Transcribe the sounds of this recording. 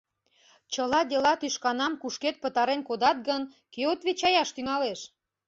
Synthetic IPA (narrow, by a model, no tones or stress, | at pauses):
t͡ɕəlɑd̪elɑt̪yʃkɑnɑmkuʃket̪̚pət̪ɑɾenkod̪ɑt̪̚ɡən | keot̪βet͡ɕɑjɑʃt̪yŋɑleʃ